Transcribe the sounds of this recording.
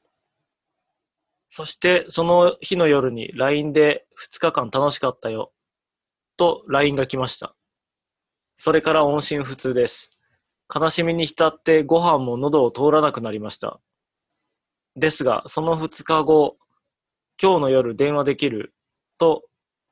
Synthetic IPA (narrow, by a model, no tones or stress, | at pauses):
so̞ɕi̥t̪e̞so̞no̞çino̞jo̞ɾɯ̟ɲ̟ḭɾaĩnd̪e̞ | ɸɯ̟̥t͡sɨ̥kakãnt̪ano̞ɕi̥kat̪ːajo̞ | t̪o̞ɾaĩŋɡakʲimaɕi̥t̪a̰ | so̞ɾe̞kaɾaõ̞ɰ̃ɕĩɰ̃ɸɯ̟t͡sɨːd̪e̞sɨ̥ | kanaɕimʲiɲ̟içi̥t̪at̪ːe̞ɡo̞ɦãmːo̞no̞d̪o̞ːt̪o̞ːɾanakɯ̟naɾʲimaɕi̥t̪a̰ | d̪e̞sɨɡa̰so̞no̞ɸɯ̟t͡sɨ̥kaɡo̞ | kʲo̞ːno̞jo̞ɾɯ̟d̪ẽ̞ɰ̃βad̪e̞kʲiɾɯ̟ | t̪o̞